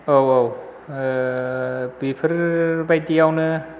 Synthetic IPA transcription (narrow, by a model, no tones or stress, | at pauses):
owow | bipʰɯɾbajdijawnɯ